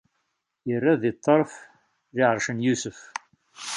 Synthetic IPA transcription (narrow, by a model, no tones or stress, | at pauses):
irːæðit̪ʰˤːəɾˤf | ðɪʕəɾˤʃənjusəf